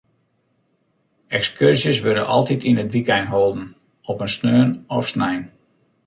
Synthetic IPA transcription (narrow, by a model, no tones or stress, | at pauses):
ɛkskørsjəsʋødə̰ʔɑlˠtitʰinətʋikɛjnɦoːlˠdən̩ | ɔpənsnøːnɔfsnɛjn